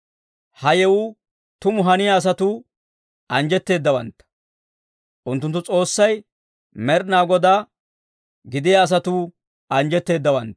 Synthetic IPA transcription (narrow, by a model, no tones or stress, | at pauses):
hɐjɛwʊ | t̪ʊmʊɦɐnɪjaːs̬ɐt̪uː | ʔɐnd͡ʒɛt̪ːe̞ːd̪ːɐwɐ̰nt̪ːɐ̥ | ʔʊnt̪ːʊnt̪ːʊt͡sʼo̞ːsːɐj | mɛɾnaːɡɔd̪aː | ɡɪd̪ɪjaːs̬ɐt̪uː | ɐnd͡ʒɛt̪ːe̞ːd̪ːɐwɐnt̪